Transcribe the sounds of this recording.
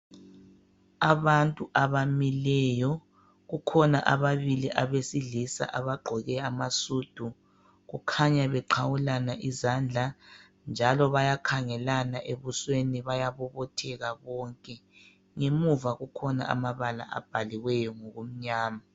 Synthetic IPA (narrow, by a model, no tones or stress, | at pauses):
aβantʼuʔaβamilɛjɔ | ɣukʰɔnaʔaβaβiliʔaβesiɮisa̰ʔaβaɡ͡ǃʱɔɣɛamasud̥ʱu | ɣukʰaɲaβɛǃʰawulanaʔizand͡ɮʱa | nd͡ʒʱalɔβajakʰaŋɛlanaʔeβusweniβajaβɔβɔtʰɛɣaβɔŋkʼɛ | ŋemuvaɣukʰɔna̰ʔa̰maβala̰ʔa̰b̥ʱaliɣwɛjɔŋoɣum̩ɲaːma